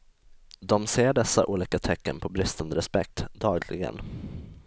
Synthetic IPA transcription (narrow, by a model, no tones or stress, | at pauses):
d̪ɔmseːɖɛsːa̰ʔuːliːkat̪ʰɛkːənpʰɔbɾɪst̪and̪əɾɛspɛk̚t̪d̪ɑːɡlɪ̰ɡə̰n